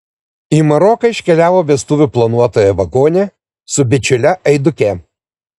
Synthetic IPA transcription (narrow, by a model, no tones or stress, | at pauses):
iːmɐɾɔkɐɪʃʲkʲɛlʲæːʋoːʋʲiɛst̪ʊʋʲʊplˠɐnuɔt̪oːjɛʋɐɡoːnʲeː | sʊbʲɪt͡ʃʲʊlʲɛɐɪd̪ʊkʲɛ